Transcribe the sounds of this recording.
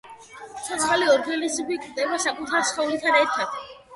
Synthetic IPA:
ʃʰɔt̪aaliɔɾɡalisibikʼɾd̪ɛbaʃakʼut̪ʰaɾsχɔlit̪ʰaɾɛɾt̪ʰad̪ʰ

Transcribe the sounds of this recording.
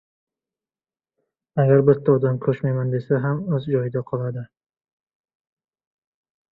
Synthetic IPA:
aɡʲaɾbɪt̪ʰːaɒd̪amkʰɵʃmajmand̪e̞saɦamɵzd͡ʒɒjɪd̪aqʰɒlˠad̪ɪ

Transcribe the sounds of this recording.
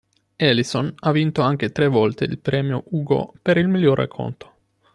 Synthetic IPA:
ɛlisonavːint̪oaŋk̟et̪ɾevːɔlt̪ḛḭlpɾɛːmjo̰ʔuːɡo̰peɾilmiljːorḛkʰːo̰nt̪o̥

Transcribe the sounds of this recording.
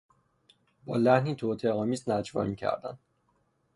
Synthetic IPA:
bɒːlæhniːt̪ʰot̪ʰeɒːmiːznæd͡ʒvɒ̰ːmiːcʰæ̰ɾd̪æ̰nd̪

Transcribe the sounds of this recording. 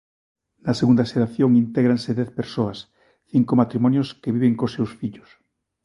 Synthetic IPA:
naseɣund̪aʃeɾaθjoŋint̪eɣɾanseðɛθpeɾsoas | θiŋkomat̪ɾimonjoskeβiβeŋkosewsfiʎo̥s

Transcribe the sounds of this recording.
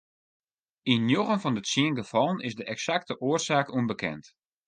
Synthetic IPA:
injoɣənfɔndətsiənɡəfɔlˠənɪsdəʔɛksak̚təʔoərsaːkunbəkʰɛ̰nt

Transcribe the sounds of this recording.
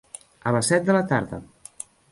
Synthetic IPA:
ələsɛt̪̚d̪ələt̪aɾðə̰

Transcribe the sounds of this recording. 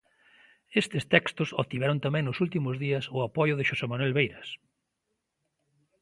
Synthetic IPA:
est̪ɪst̪ɛkst̪ʊsot̪iβɛɾʊnt̪amɛ̃ŋnʊsult̪imʊzðiɐsʊapɔjʊðɪʃosemanwɛlβejɾɐs

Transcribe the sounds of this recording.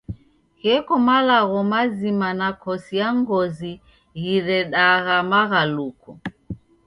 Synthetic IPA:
kɛkɔmalaɣɔmazimanakɔsijaŋɡɔzi | ɣiɾɛɗaɣamaɣalukɔ

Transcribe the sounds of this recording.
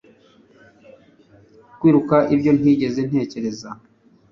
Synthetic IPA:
kwiːɾukaʔibjo̞n̥iːɟe̞ze̞n̥he̞ːce̞ɾe̞za

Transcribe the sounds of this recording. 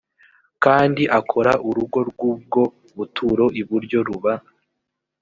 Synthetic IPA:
kaːndiʔakʰo̞ɾaʔuɾuɡo̞ɾɡub̚ɡo̞ | βutʰuɾo̞ʔiβuɾɟo̞ɾuβa

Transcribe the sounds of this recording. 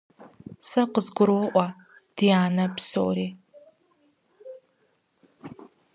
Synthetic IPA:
sɐqəzɡʷʊɾoʔʷɐ | d̥ijaːnɐpso̰ɾeː

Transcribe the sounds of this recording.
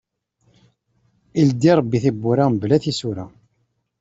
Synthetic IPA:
ild̪iɾˤəbːiθibːuɾablæθisuɾæ

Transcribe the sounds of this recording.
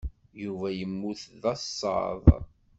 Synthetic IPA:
juvæjəmːuθðɑsːɑ̰ðˤ

